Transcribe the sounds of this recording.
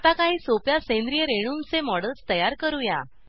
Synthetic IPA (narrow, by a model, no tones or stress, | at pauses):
t̪akaɦiːsopjasẽnd̪ɾijəɾeɽ̃unt͡semɔɽəlst̪əjaɾkəɾuja̰